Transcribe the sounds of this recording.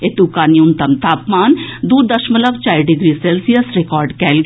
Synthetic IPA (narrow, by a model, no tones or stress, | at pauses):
et̪ukaːniunt̪əmt̪aːpmaːnd̪uːɾd̪əʃmələk̚t͡ʃaːjɖɪɡɾiːseːlsijəsɾekɔːɾɖkɛːlɡ